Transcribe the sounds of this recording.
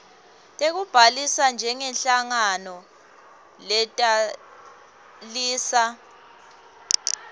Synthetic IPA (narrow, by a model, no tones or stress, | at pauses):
tʼek̬ub̥ʱalisand͡ʒʱɛŋɛnɬaŋanɔ | lɛtʼa | liːsa